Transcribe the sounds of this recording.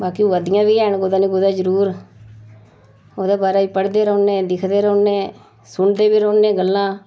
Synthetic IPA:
baːkiuʋəd̪ɪjãːbiːɛːɳɡoːd̪ãːnĩːɡod̪ãːd͡ʒəɾuːɾ | oːd̪eːbaːɾaːiːpəɽd̪eːɾoːnːẽːd̪ɪkʰd̪eːɾoːnːẽː | sʊɳd̪eːbiːɾoːnːẽːɡəlːãː

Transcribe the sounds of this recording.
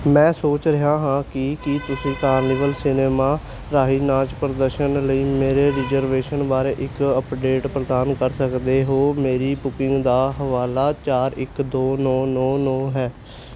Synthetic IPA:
mɛ̃ːsoːt͡ʃɾɪɦaːɦãːkɪkɪt̪ʊsĩːkaːɾniːʋəlsɪneːmaː | ɾaːɦiːnãːt͡ʃpɾəd̪əɾʃənləiːmeːɾeːɾɪzəɾʋeːʃənbaːɾeːʔɪkəpɖeːʈpɾəd̪aːnkəɾsəkd̪eːɦoːmeːɾiːpʊkɪŋɡd̪aːɦəʋaːlaːt͡ʃaːɾɪkd̪oːnɔːnɔːnɔːɦɛː

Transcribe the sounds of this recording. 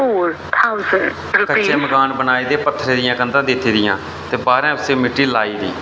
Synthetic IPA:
oːɾ | t̪ʰaʊzəɳ | ɾʊkəʃːeːməɡaːnbənaːiːd̪eːpət̪ʰːɾeːd̪ɪjãːkənd̪ãːd̪ɪt̪ʰːiːd̪ɪjã̰ː | t̪eːbaːɾãːʊseːmɪʈːiːlaːiːd̪ḭː

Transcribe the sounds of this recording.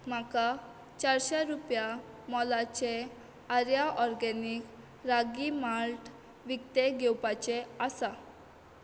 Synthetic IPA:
m̤aka | t͡ɕaɾɕeɾupja | mɔlat͡ɕe | aɾjaʔɔɾɡɛnik | ɾaɡimaɾʈ | ʋikt̪eɡɛwpat͡ɕeasa

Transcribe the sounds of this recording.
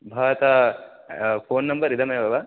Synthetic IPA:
bʱaːʋɐt̪a | pʰoːnːɐmbɐɾid̪ʱɐmɐjɐbɐʋa

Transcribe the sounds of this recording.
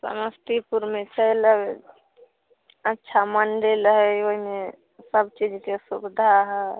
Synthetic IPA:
sə̰məst̪ipuɾmet͡ʃəjlə | ətːʃʰamənɖeləɦəoɦime | səbt͡ʃid͡ʒkesubd̪ʱaɦɛ

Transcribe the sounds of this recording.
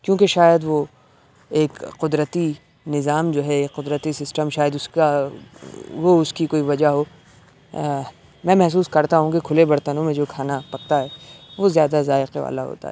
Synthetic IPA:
kjõːkeʃaːjəd̪ʋo | eːkqʊd̪ɾət̪i | nɪzaːmd͡ʒoːɦɛeːkqʊd̪ɾət̪isɪsʈəmʃaːjəd̪ʊska | ʋoʊskikoːiʋɐd͡ʒaɦoː | mɛ̃ːmɛɦs̬uːskɐɾt̪aɦũkekʰʊlebɐɾt̪ənõmẽd͡ʒoːkʰaːnapɐk̚t̪aɦɛːʋozjaːd̪azaːɪqeʋa̰ːla̰ɦo̰ːt̪a̰ɦɛ̰ː

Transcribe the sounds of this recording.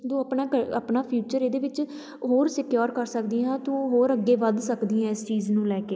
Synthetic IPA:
d̪oːəpnaːkəə̰pnaːpʰjuːt͡ʃəɾeːd̪eːʋɪt͡ʃ | ɦoːɾsɪkjoːɾkəɾsəkd̪iːãːt̪uɦoːɾəɡːeːʋəd̪səkd̪iːãːɪst͡ʃiːznũːlɛːkeː

